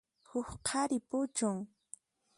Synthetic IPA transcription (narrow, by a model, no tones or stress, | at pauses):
hʊxqʰaɾɪpʊt͡ʃʊŋ